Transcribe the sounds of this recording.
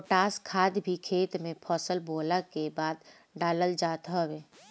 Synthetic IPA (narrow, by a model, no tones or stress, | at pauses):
ʈaːskʰaːd̪bʱikʰeːt̪mẽpʰɔːsəlboːlakebaːd̪ | ɖaːləld͡ʒaːt̪ɦɔweː